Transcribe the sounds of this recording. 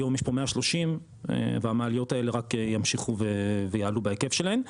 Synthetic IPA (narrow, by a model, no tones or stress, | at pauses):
jo̞mjɛʃpo̞meaʃlo̞ʃim | ḛveamaːlijo̞taeleʁakejamʃiχuvevejaːlubaeke̞fʃelaen